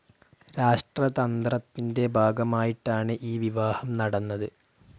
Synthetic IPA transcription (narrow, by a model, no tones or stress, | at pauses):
ɾaːʂʈrɐt̪ɐnd̪rɐt̪ːinde̞bʱaːɡɐmaːjiʈːaːɳɨʔiːʋiʋaːhɐmnɐɽɐnːɐðɨ